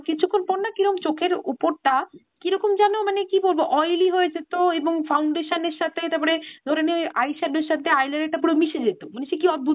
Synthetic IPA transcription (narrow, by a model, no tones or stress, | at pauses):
kit͡ɕʰukʰːonpoɾnakiɾɔkomt͡ɕokʰeɾupoɾʈa | kiɾɔkomd͡ʑanomanekiboɾboʔɔjliɦoed͡ʑet̪oeboŋfawɳɖeʃaneɾʃat̪ʰet̪ap̬ɔɾed̪oɾeneajʃaɖeɾʃat̪ʰeajlaɾeʈːapuɽomiʃed͡ʑet̪omoneʃekiɔd̪̚bʱu